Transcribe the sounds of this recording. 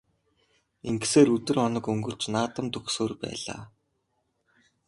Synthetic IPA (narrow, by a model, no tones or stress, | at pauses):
eŋɡseːɾɵt̪ɵ̆rɔnə̆kɵŋɡɵ̆ɬt͡ɕnaːt̪ə̆mt̪ɵxsoːrpæ̰ːɮa̰ː